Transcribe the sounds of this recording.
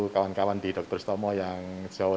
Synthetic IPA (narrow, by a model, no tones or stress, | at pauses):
ukawankawand̪i̤ɖɔk̚t̪ʊrst̪ɔmɔjaŋd͡ʒ̥a